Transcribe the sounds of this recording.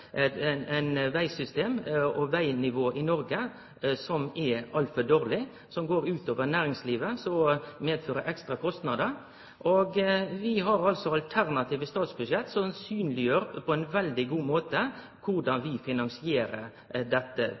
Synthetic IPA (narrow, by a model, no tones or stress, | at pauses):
æɪnʋæɪsʏst̪eːmɔʋæɪnɪʋoːʔɪnɔɾɡə | sɔmɛɑlfəd̪oːɾlɪ | sɔmɡoːɾʉːt̪oːʋəɾnæːɾɪŋsliːʋəsɔmeːd̪føːɾəʔɛkst̪ɾɑkʰɔst̪nɑd̪əɾ | ʔoɡʋɪɦɑɾɑlsɔɑlt̪ʰæɾnɑt̪ʰiːʋəst̪ɑːt̪sbʉʂɛt̪ːsɔnsyːnlɪjøːɾəpʰɔɛɪnʋɛld̪ɪɡuːmoːt̪ə | kʰʊʁɖɑnʋɪfɪnɑnsɪeːɾəɾ | d̪ɛt̪ːə